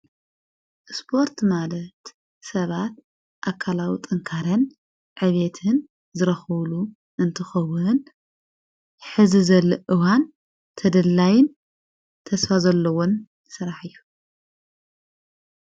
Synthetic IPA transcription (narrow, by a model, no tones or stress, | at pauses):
ʔspʰo̞ɾt̪malɐt̪ | sɐβat̪̚ | ʔakʰːalawit̪ʼɐŋkʰaɾɐn | ʕɨβet̪ʰɨn | zɨɾɐxɐβlu | ʔɨnt̪ʰɨxɐwɨn | ħɨzizɐlːɐʔɨwan | t̪ʰɐd̪ɐlːajɪn | t̪ʰɐsfazɐlːɐwon | sɨɾaħɨjːu